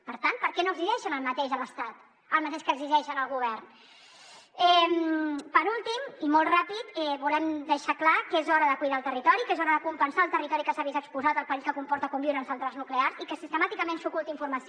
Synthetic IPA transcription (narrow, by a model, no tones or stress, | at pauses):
pəɾt̪anpəɾkɛnoəɡziʒɛʃənəlˠmət̪eʒələst̪at̪ | əlˠmət̪eʃkəɡziʒɛʃənəlˠɣuβ̞ɛrn | ɛmpəɾulˠt̪imimolˠtrapit̪ɛβulɛmd̪əʃaklakəezɔɾəðəkujðaːlˠt̪ərit̪ɔɾikezɔɾəðəkumpənsaːlˠt̪ərit̪ɔɾikəsəaβizəkspuzat̪əlˠpəɾiskəkumpɔɾt̪əkɔmbiuwɾənsənt̪ɾaznukleaɾzikəsist̪əmat̪ikəmensukulˠt̪iɱfuɾməs